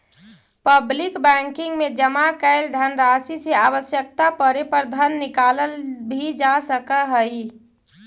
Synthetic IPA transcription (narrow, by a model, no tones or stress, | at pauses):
pəblɪkbɛ̃ŋkɪŋɡmed͡ʒəmakəɪld̪ʱənɾasiseaʋəsjək̚t̪apəɾepəɾd̪ʱənːɪkaləlbʱid͡ʒasəkəɦəi